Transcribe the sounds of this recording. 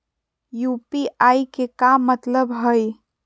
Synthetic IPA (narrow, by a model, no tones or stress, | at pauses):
jupiʔaikekamːət̪ləbɦəj